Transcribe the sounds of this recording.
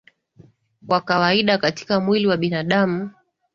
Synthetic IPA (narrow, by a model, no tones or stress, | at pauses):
kwakawaiɗakati̥kamwiliwaɓinaɗamu